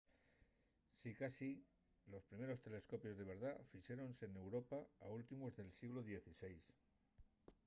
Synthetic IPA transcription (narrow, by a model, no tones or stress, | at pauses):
sikasi | lo̞spɾime̞ɾo̞st̪e̞le̞sko̞pjo̞zðe̞β̞e̞ɾðafiʃeɾo̞nse̞ːne̞wɾo̞paault̪imozðe̞lsiɣloðje̞θise̞js